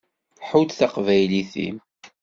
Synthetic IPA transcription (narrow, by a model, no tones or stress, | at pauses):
ħud̪θaqvæjliθḭm